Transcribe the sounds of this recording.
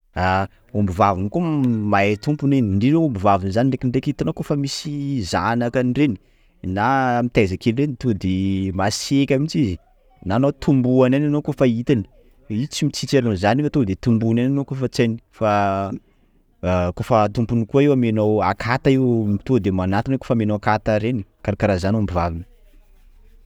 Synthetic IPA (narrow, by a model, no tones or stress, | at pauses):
a | ombivavinikumaet̪umpuneniɳɖ͡ʐiɾewombivavinzaniɖ͡ʐekinrekit̪anokofəmisiza̰nakanireni̥ | namit̪ezakelirenit̪od̪emasekʲamit͡ʃizi | naːnot̪ʰumbuanananokofait̪ani̥ | it͡simit͡sit͡seɾanozanifat̪od̪et̪umbunananokofət͡sani̥fa | kofət̪umpunikuaewamenowakʰat̪aiwmit̪od̪emanat̪inako̥famenowakat̪aɾeni̥kaɾakaɾazanambiva̰vinə